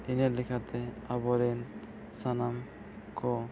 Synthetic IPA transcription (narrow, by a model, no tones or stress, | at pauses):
ineɾlikʰat̪ʰeabɔɾen | sanam | kʰo